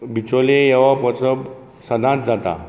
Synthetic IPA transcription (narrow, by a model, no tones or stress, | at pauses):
bit͡solejeʋapɔt͡səb | səd̪ãt̪d͡zʱat̪a̰